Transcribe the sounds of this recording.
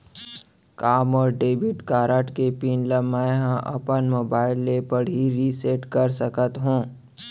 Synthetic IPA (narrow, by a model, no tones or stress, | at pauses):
kaːmɔːɾɖeːbɪʈkaːɾəʈkepiːnləmːaɦãʔɐ̰pənmoːbaːɪlːepəɽɦiɾiseːʈkɐɾsəkət̪ɦũː